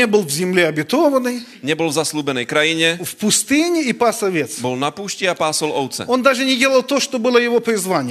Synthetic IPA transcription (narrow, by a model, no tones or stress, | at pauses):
ebɨlˠvzʲɪmlʲɛɐbʲɪt̪ovənɨj | ɲɛbɔlˠvzasluːbɛnɛjkɾajiɲɛfpʊst̪ɨnʲɪipasɐvʲet̪sbɔlˠnapuːʃcʲiapaːsɔlˠɔwt̪sɛ̰ond̪aʐɨnʲɪdʲelˠəlˠt̪oʂt̪obɨlˠəjɪvopɾʲɪzvanʲɪj